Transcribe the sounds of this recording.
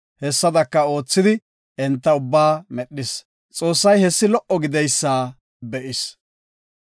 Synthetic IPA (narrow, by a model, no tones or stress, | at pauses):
hɛsːɐd̪ɐkːɐo̞ːt͡sːɪd̪ɪ | ɛnt̪ːɐʊbːaːmɛɗːɪs | t͡sʼo̞ːsːɐjhɛsːɪlɔʔɔɡɪd̪ɛjsːaː | bɛʔɪs